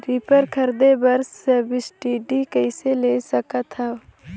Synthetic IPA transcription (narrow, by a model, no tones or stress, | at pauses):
ɾiːpəɾkʰɐɾd̪ebɐɾsɐbɪsʈiːɖikəɪseleːsɐkat̪ʰaː